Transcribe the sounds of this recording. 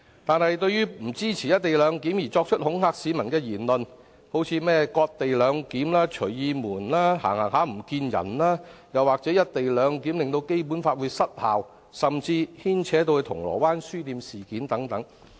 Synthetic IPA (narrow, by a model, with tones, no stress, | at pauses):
t̪aː˨nhɐ˨jt̪ɵ˧ɥjyː˥m̩˨˩t͡siː˥t͡sʰiː˨˩jɐ˥t̚t̪e˨jlœː˨˧ŋki˨˥mjiː˨˩t͡sɔː˧k̚t͡ʃʰɵ˥t̚hʊ˨˥ŋɦaː˧k̚siː˨˥mɐ˨˩nkɛː˧jiː˨˩nlɵ˨n | ho˨˥wt͡sʰiː˨˧mɛː˥kɔː˧k̚t̪e˨jlœː˨˧ŋkiː˨˥mlaː˥t͡ʃʰɵ˨˩ɥjiː˨˧muː˨˩nlaː˥ha̰ː˨˩ŋhaː˨˩ŋɦaː˨˥m̩˨˩kiː˧njɐ̰˨˩nlaː˥jɐ˨waː˨k̚t͡sɛː˨˥jɐ˥t̚t̪e˨jlœː˨˧ŋkiː˨˥mlɪ˨ŋt̪o˧wke˥jp̬u˨˥nfaː˧t̚wu˨˧sɐ˥t̚ha̰ː˨w | sɐ˨mt͡siː˧hiː˥nt͡sʰɛː˨˥t̪̬o˧wɵ˧t̪ʰʊ˨˩ŋlɔ̰ː˨˩waː˥nsyː˥t̪iː˧msiː˨kiː˨˥nt̪ɐ˨˥ŋt̪ɐ˨˥ŋ